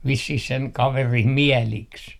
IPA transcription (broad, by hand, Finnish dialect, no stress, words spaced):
ʋisːih seŋ kɑʋerim miɛliks